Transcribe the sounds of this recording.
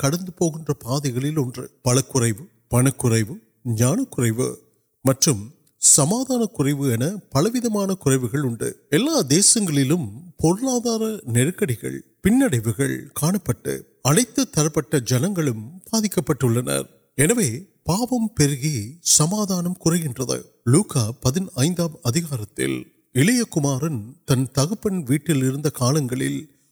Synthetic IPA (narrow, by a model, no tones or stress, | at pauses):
kɐɽɐnd̪ɯpoːɣɪndrɐpaːðɐɪɣɐɭɪlɔndrɯ̰pɐlɐkːʊrɐɪʋɯ | pɐɳɐkːʊrɐɪʋɯ | ɲaːnɐkːʊrɐɪʋɯ̰ | mɐʈrɯm | sɐmaːðaːnɐkːʊrɐɪʋɯɛnɐpɐlɐʋɪðɐmaːnɐkʊrɐɪʋɯɣɐɭʊɳɖɯ̰ɛlːaːd̪eːsɐŋɡɐɭɪlɯmpɔɾɯlaːðaːɾɐnɛɾɯkːɐɽɪɣɐ̰ɭpɪnːɐɽɐɪʋɯɣɐ̰ɭkaːɳɐpːɐʈːɯ̰ | ɐnɐɪt̪ːɯt̪ːɐɾɐpːɐʈːɐd͡ʒɐnɐŋɡɐɭɯmbaːðɪkːɐpːɐʈːɯɭːɐnɐ̰ɾ | ɛnɐʋeːpaːʋɐmpɛɾɯɣisɐmaːðaːnɐmkʊrɐɪɣɪndrɐðɐ̰ | luːkaːpɐðɪnɐɪnd̪aːmɐðɪɣaːɾɐt̪ːɪ̰l | ɪlɐjɐkːʊmaːɾɐnt̪ɐnt̪ɐɣɐpːɐnʋiːʈːɪlɪɾɯnd̪ɐkaːlɐŋɡɐɭɪ̰l